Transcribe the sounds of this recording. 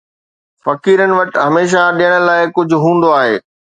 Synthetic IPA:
fɐkiːɾənɪ̆ʋɐʈɦɐmeːʃ̬aɗijəɽ̃ə̆laːɪkʊd͡ʑʱʊ̆ɦũːnd̪oaːɦḛː

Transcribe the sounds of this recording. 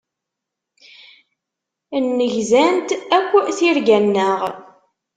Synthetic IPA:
nːəʝzænt̪ækʷːθiɾɡænːəʁ

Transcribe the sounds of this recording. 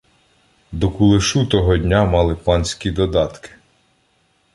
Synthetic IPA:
d̪ɔkulˠɪʃut̪ɔɦɔd̪ʲnʲamɑlˠɪpɑnʲsʲkʲid̪ɔd̪ɑt̪kɪ̥

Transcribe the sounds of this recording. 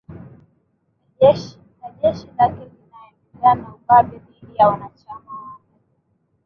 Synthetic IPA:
aʄɛʃinaʄɛʃilakivinaɛmɛɡanauɓaɓɛmiɗijawanat͡ʃamawa

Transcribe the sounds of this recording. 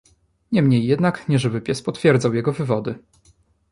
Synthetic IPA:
ɲɛmɲejːɛd̪nakɲɛʐɛbɘpʲjɛspɔt̪fʲjɛɾd̪zawjɛɡɔvɘvɔd̪ɘ

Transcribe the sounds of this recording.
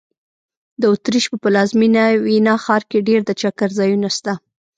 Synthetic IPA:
d̪əʊt̪ɾiʃpəpəlɑzminawinɑxɑɾkeɖeɾd̪ət͡ʃakaɾzɑjunast̪a

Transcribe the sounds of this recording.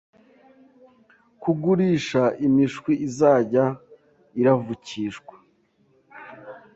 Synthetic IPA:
kuɡuɾiːʃaimiʃkwiʔizaːɟa | iɾavuciʃkwḁ

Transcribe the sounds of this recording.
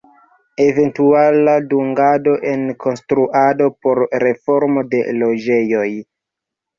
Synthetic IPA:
e̞ve̞ntualaduŋɡado̞ʔe̞nkʰo̞nstɾuʔado̞po̞ɾɾe̞fo̞ɾmo̞de̞lod͡ʒe̞jo̞j

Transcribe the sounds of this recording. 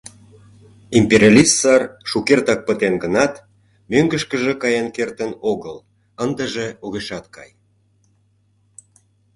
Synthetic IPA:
impeɾʲɑlʲist̪sɑrʃukert̪ɑk̚pət̪enɡənɑt̪ | møŋɡəʃkəʒĕkɑjɑnkert̪ənoɣəl | ənd̪əʒeoɣeʃɑt̪̚kɑ̰j

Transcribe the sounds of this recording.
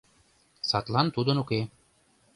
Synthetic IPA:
sɑt̪lˠɑnt̪ud̪ɤ̆nuke

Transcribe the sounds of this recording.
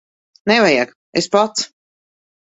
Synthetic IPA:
nɛvajak | espat̪s

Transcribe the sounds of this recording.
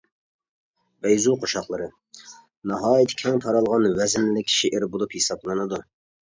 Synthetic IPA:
bɛjzuqʰoʃɑχlˠɨɾɨ | nɑɦɑːjit̪ʰɪ̥kʲʰɛŋt̪ʰɑɾɑlˠʁɑnwɛzɪnlɪkʲʰːʃiʔɪɾbolˠuphesɑblˠɨnɨd̪u

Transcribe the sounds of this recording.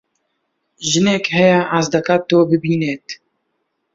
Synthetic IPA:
ʒɨneːkhɛjɛʔaːzd̪ɐkat̪ːoːbɨbiːneːt̪

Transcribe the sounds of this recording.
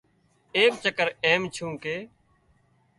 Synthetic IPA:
eːkt͡ʃəkəɾeːmt͡ʃʰũːkeː

